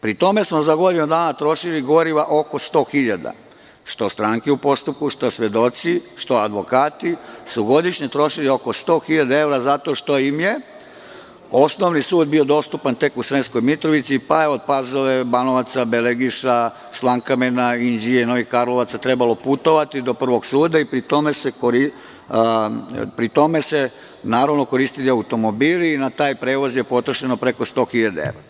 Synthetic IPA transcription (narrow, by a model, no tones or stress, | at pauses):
pɾit̪o̞me̞smo̞zaɡo̞d̪inod̪aːnat̪ɾo̞ʃiliɡo̞ɾiʋaʔo̞ko̞st̪o̞ːxiʎad̪a̰ | ʃt̪o̞st̪ɾaːŋkɛupo̞st̪up̚kuʃt̪o̞sʋje̞d̪o̞t̪siʃt̪o̞ad̪ʋo̞kaːt̪isuɡo̞d̪iʃɲet̪ɾo̞ʃiliokost̪o̞ːxiʎad̪ae̞ʋɾazat̪o̞ʃt̪o̞imje | o̞sno̞ʋnisuːd̪bio̞d̪o̞st̪upant̪e̞kusɾensko̞jmit̪ɾoʋit̪sipajeo̞d̪̚pazoʋebanoʋat̪sabeleɡiʃa | slˠaŋkamenaind͡ʑijenoikaɾlˠoʋat̪sat̪ɾebalˠo̞put̪o̞ʋat̪id̪o̞pr̩ʋo̞ɡsuːd̪aipɾit̪o̞me̞sekoɾi | pɾit̪o̞me̞se | naːɾaʋno̞ko̞ɾiːst̪iliaut̪o̞mobiːliːnat̪aːjpɾe̞ːʋozjepo̞t̪ɾaʃenopɾe̞ko̞st̪o̞ːxiʎad̪eḛʋɾa